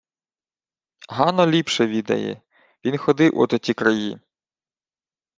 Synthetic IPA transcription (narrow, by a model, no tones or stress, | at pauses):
ɦɑnɔlʲipʃɛʋʲid̪ɐ̰jɛ̰ | ʋʲinxɔd̪ɪwʔɔ̰t̪ɔt̪ʲikɾɐji